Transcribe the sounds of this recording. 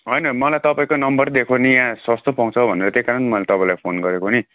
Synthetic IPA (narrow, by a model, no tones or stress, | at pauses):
ɦʌjnʌmʌlajt̪ʌpaĩkonʌmbʌrd̪ekʰonijãsʌst̪opʌw̃t͡sʰʌbʱʌneɾʌt̪ekaɾʌnmʌlet̪ʌpãĩlajpʰonɡʌɾekoni